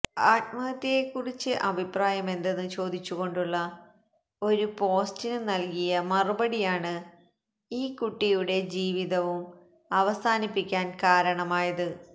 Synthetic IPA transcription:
aːt̪̚mɐɐt̪ːijekːurit͡ɕːɨʔɐbʱipraːjɐme̞nd̪e̞nːɨt͡ɕo̞ːd̪ʱit͡ɕːuɣo̞ɳɖuɭːɐ | o̞ɾupo̞ːstinɨnɐlkijɐmɐrubɐɽijaːɳɨ | iːkuʈːijuɽe̞d͡ʑiːʋiðɐʋum | ɐʋɐsaːnipːikʲːaːnkaːɾɐɳɐmaːjɐðɨ

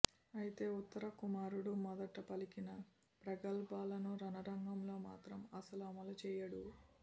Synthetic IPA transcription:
ɐjit̪e̞ːut̪ːɐɾɐkumaːɾuɽumɔd̪ɐʈɐpɐlikinɐ | pɾɐɡɐlbaːlɐnuɾɐnɐɾɐŋɡɐmlo̞ːmaːt̪ɾɐmɐsɐlɐmɐlɐt͡ʃɛːjɐɽu

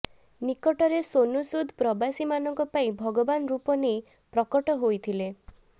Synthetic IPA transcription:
nikɔʈɔɾesonusud̪ʱpɾɔbasimanɔŋkɔpaĩbʱɔɡɔbanɾupɔnej | pɾɔkɔʈɔɦojt̪ʰile

